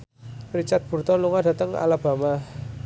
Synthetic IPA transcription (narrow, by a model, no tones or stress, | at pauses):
rit͡ʃat̪̚b̥ṳrt̪ɔnluŋadat̪əŋa̰lab̥a̤ma